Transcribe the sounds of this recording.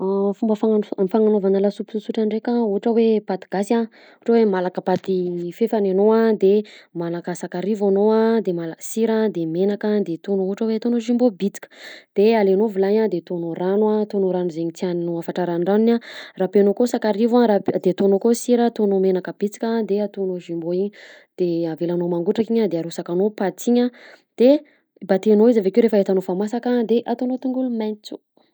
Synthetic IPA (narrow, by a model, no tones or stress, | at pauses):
afumbəfaŋamifaŋanovanalasupu̥susuʈ͡ʂaɳɖ͡ʐekʲauɦʈ͡ʂəwepat̪iɡ̥asa | uhʈ͡ʂəwemalakəpat̪ifefanenoad̪emanakəsakaɾivanoad̪emalaksiɾad̪emenakad̪et̪onuuɦuʈ͡ʂəwet̪onoʒimbobit͡si̥kʲə̥d̪̥ealenovilaɲad̪et̪onuɾanwat̪onoɾanuzeɲit͡s̪ianinuafaʈ͡ʂaɾaɳɖ͡ʐaninarapenokosakaɾivaɾad̪et̪onokosiɾət̪onomenakəbit͡si̥kʲad̪eat̪unoʒimboiɲi | d̪̥eavelanomaŋɡuʈ͡ʂakiɲəd̪eaɾusakanopat͡siɲə | d̪̥e | bat̪enoizavekeoɾefəet̪anofamasakad̪eʔat̪onot̪uŋɡulumajnt͡su̥